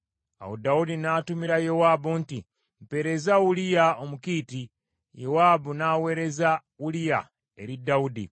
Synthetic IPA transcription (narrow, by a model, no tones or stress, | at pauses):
a̰wodawudinaːtumiɾajewaːbunti | m̩pe̞ɾe̞zaulijaomukiːti | jewaːbunaːwe̞ːɾe̞za | ulija̰ | e̞̰ɾidːaudḭ